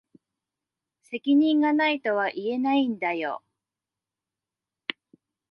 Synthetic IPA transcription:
se̞kʲiɲ̟ĩŋɡanait̪o̞βaʔie̞naĩnd̪ajo

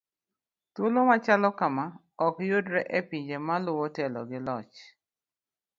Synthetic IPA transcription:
tʊlomat͡ʃalɔkama | ɔkjodɾɛʔepiɲd͡ʒemalʊwɔtɛlɔ̰ɡɪlɔt͡ʃ

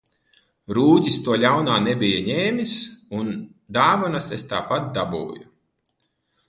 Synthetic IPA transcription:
ɾuːt̪ʲist̪uɔlʲawnaːnebʲijaɲeːmʲisun | d̪aːvɔnasest̪a̰ːpat̪̚d̪abṵːju

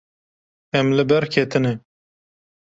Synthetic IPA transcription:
ɛmlɨbɛɾkʰeːt̪ɨnɛ

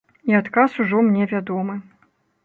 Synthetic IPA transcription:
iat̪kasuʐɔmnʲɛvʲad̪ɔmɨ

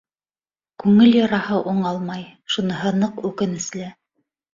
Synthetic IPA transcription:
kʉŋɘljɑɾɑhɤʔuɴɑlˠmɑjʃunɤ̆ɦɤnɤqʉkɘ̆nɘ̆slæ

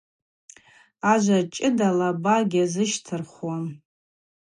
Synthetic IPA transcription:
aʒʷat͡ʃʼɪdalabaɡʲazɨʃtʰɨrχwan

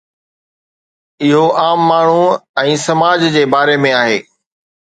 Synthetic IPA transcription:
ɪɦoʔaːmːaːɳ̤uɛ̃ːsɐmaːd͡ʑd͡ʑeːbaːɾemẽaːɦeː

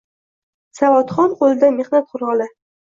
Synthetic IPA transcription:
savɒt̪χɒnqolɪd̪ame̞χnat̪̚qʰʊɾɒlɪ

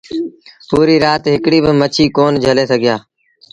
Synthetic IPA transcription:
puːɾiːɾaːt̪ɦɪkɽiːbɪmət͡ʃʰiːkoːnd͡ʒʱəleːsəɡɪjaː

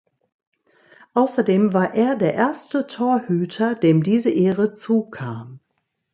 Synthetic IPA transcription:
ʔaʊsɐdeːmvaːɐʔeːɐdeːɐʔeːɐstətʰoːɐhyːtʰɐdeːmdiːzəʔeːʁət͡suːkʰaːm

